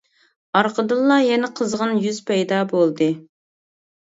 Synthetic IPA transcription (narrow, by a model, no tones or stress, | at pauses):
ɑɾqʰəd̪ɨlˠːɑjɛnɛqʰəzʁənjyz̥pʰɛjd̪ɑbolˠd̪ɨ